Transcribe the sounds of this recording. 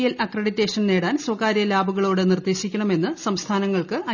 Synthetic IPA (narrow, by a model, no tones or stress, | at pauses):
jɐlɐkreɽitːe̞ːʂɐnne̞ːɽaːnsʋɐkaːɾjɐlaːbuɣɐɭoːɽenird̪e̞ːɕikʲːɐɳɐme̞nːɨsɐmst̪ʰaːnɐŋːɐɭkɨʔɐ